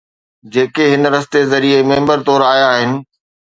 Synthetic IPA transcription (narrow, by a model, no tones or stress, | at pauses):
d͡ʑeːkeɦɪnɾɐst̪ezɐɾiemẽːmbəɾt̪ɔːɾaːijaːɦɪnɪ̆